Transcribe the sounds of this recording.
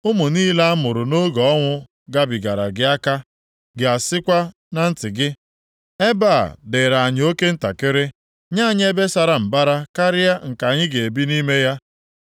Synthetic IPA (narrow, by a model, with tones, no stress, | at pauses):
ʊ˦mʊ˨niː˦la˦a˦mʊ˨ɾʊ˨no˦ɡɔ˨ɔ˦ŋʷʊ˦ | ɡa˦bi˨ɡa˨ɾa˨ɡɪ˨˦a˦ka˦ | ɡɪ˨a˨sɪ˦kʷa˦ | na˦n̩˦tɪ˨ɡɪ˦ | e˦ba̰˦˨dɪ˨ɾa˨a˨ɲɪ˨˦o˦ke˦n̩˦ta˨kɪ˦ɾɪ˦ | ɲa˦˨ɲɪ˦e˦be˦sa˨ɾa˦˨m̩˨ba˦ɾa˦ka˦ɾɪ˦a˦ŋ̩˨ka˨ɲɪ˦ɡe˨e˨bi˦ni˦me˦ja˦